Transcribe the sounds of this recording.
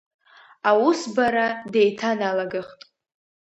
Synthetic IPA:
awʊsbaɾade̞jtʰanalaɡɨχtʼ

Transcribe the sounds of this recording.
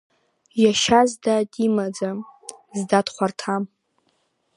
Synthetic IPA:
jaʃazdadimad͡zazdadχʷartʰam

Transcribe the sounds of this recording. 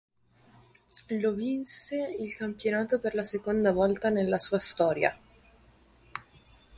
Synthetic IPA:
lovinseilkampjonaːt̪operlasekond̪avɔlt̪anelːasuːast̪ɔːɾja̰

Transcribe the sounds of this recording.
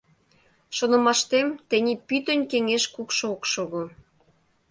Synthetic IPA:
ʃonə̆mɑʃt̪emt̪ĕnʲepyt̪ənʲkeŋeʃkukʃookʃoɣo

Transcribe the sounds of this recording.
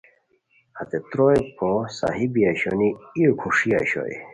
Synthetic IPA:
hɐt̪et̪ɾojpʰosa̰ɦibiaɕoniiokʰuʂiaɕo̰ḭ

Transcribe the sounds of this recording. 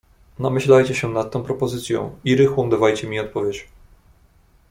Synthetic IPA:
namɘɕlajt͡ɕɛɕɛnat̪ːɛ̃w̃pɾɔpɔzɘt̪sʲjɔ̰̃w̃iɾɘxwɔ̃w̃d̪avajt͡ɕɛmʲiɔt̪̚pɔvʲjet͡ɕ

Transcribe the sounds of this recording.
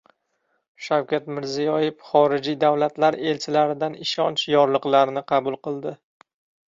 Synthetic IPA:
ʃawkʲat̪mɪɾzijɒjefχɒɾɪd͡ʒijd̪awlat̪laɾe̞lt͡ʃʰɪlaɾɪd̪anɪʃɒnt͡ʃjɒɾlˠɨqlˠaɾnɪqʰɑbʊlˠqɨlˠd̪ɪ

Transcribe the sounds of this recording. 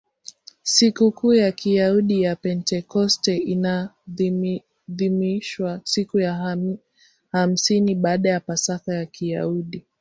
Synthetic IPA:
sikukuːjakʰijauɗijapɛntɛkɔstɛina | ðimiʃwasikuja | ham̩siniɓaːɗajapasaθajakʰija̰uɗi

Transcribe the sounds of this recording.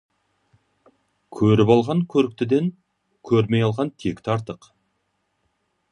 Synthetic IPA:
kʲʰɵɾɪpɑlˠʁɑŋkʲʰɵɾɪk̚t̪ɪd̪e̞ŋ | kʲʰɵɾme̞jɑlˠʁɑnt̪ʰe̞kt̪ʰɑɾt̪əq

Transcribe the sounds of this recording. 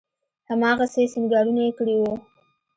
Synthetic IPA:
hamɑɣasesinɡɑɽunaekəɽiwu

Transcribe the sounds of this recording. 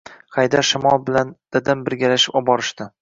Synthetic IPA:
χajd̪aɾʃɪmɒlˠbɪland̪̥ad̪ambɪɾɡʲalaʃɪ̥pɒbɒɾɪʃt̪ɪ

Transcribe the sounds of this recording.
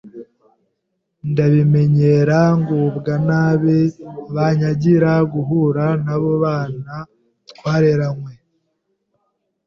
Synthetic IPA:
ndaβime̞ɲe̞ɾaŋɡubɡanaːβeβaɲaɟiɾaɡuɦuɾanaβo̞βaːna | twaːɾeɾamwe

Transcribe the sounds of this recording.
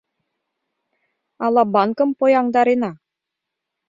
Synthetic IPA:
ɑlˠɑbɑnkɤ̆mpojɑŋd̪ɑɾenɑ

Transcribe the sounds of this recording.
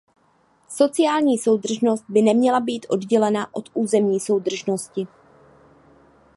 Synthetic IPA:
so̞t͡sɪaːlɲiːso̞wd̪r̩ʒno̞st̪̚bɪnɛmɲɛlabiːt̪ʔo̞dɟɛlɛnaʔo̞t̪ʔuːzɛmɲiːso̞wd̪r̩ʒno̞scɪ

